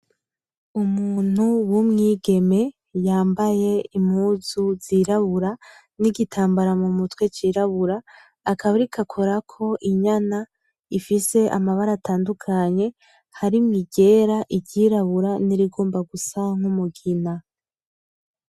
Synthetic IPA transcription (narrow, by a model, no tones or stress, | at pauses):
umuːn̥uwumŋiːɡe̞me̞ | jaːmbaje̞imhuːzuziɾaβuɾa | niɡitʰaːmbaɾamumutwe̞t͡ʃiːɾaβuɾaː | kaβaɾikʰakʰo̞ɾakʰo̞ʔiɲana | ifise̞ʔamaβaɾataːndukʰaɲe̞ | haɾimŋiɟe̞ɾaʔiɟɟiːɾaβuɾaniɾiɡo̞ːmbaɡusaŋ̥humuɡina